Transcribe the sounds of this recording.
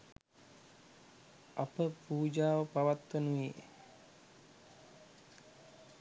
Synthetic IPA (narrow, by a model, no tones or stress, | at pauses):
apəpuːd͡ʒaːʋəpaʋat̪ːənuʋeː